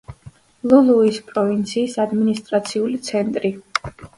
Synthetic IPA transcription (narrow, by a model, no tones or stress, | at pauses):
lulˠuispʼɾɔvint̪sʰiːsad̪minist̪ʼɾat̪sʰiulit̪sʰɛnt̪ʼɾi